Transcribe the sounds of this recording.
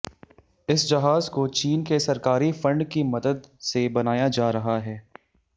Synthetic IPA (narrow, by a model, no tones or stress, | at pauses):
ɪsd͡ʒɐɦaːzkot͡ʃiːnkesɐɾkaːɾifɐ̃ɳɖkimɐd̪əd̪sebɐnaːjad͡ʒaːɾɐɦaɦɛː